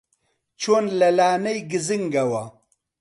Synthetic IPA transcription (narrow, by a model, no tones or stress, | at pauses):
t͡ʃʰoːnlɐlaːnɐjɡiziŋɡɐwa